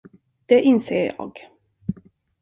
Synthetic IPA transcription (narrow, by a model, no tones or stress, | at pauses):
d̪̥ɛʔɪnseːɾjɑ̰ːɡ